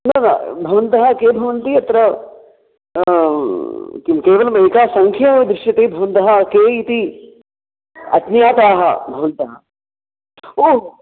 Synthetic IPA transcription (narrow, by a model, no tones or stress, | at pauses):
nɐna̰bʱɐʋɐnt̪ɐɦɐkeːbʱɐʋɐnt̪iɐt̪ɾɐ | kikeːʋɐlɐmɐjkaːsɐŋkʰjɐd̪ɾɪʃjɐt̪eːbʱɐʋɐnt̪ɐɦɐkeːit̪i | ɐ̰t̪njaːt̪aːɦɐ̰bʱɐʋɐnt̪ɐɦɐ | oː